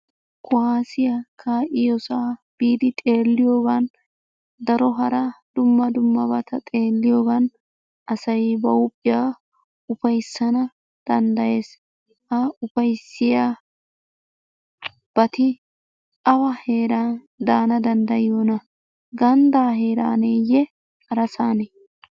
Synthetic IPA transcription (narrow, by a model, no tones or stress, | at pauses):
kʰʊhaːsɪjakʰaːʔɪjɔsaːb̥iːd̪ɪt̪ʼe̞ːlːɪjoːɡɐn | d̪ɐɾɔɦɐɾɐd̪̥ʊmːɐd̪ʊmːɐbɐt̪ʰɐt̪ʼe̞ːlːɪjoːɡɐn | ɐsɐjbɐʊpʼːɪjaː | ʊfɐjsːɐnɐ | d̪̥ɐnd̪ɐje̞ːs | ʔɐʊfɐjsːɪjaː | b̥ɐt̪ɪ | ɐwɐhe̞ːɾaːn | d̪aːnɐd̪ɐnd̪ɐjɪjoːnɐ | ɡɐnd̪aːɦe̞ːɾa̰ːneːjɛ | ɐɾɐsaːnɛ